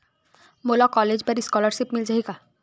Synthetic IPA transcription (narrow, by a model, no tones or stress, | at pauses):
molakɔled͡ʒpəɾiskɔləɾʃipmild͡ʒaɦika